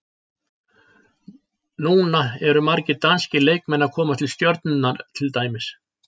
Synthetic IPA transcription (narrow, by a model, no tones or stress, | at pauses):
nuːnaɛɾʏmaɾcɪt̪anscɪleːjk̚mɛnːakʰɔːmat̪ʰɪlst̪jœɾt̪nʏnːaɾt̪ʰɪlt̪aːjmɪs